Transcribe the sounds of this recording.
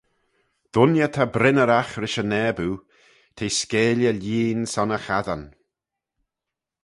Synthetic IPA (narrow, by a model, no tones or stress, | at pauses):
d̪̥ʊnjət̪ʰabɾɪnəɾaxɾɪʃənɛːbu | t̪ʰeːskeːljəlʲiːnsɔnəxaðan